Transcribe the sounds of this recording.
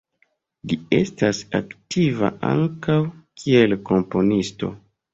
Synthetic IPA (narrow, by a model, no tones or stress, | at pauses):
lie̞̰stasa̰ktʰiva̰ʔa̰ŋkawkʰielko̞mpo̞nisto̞̰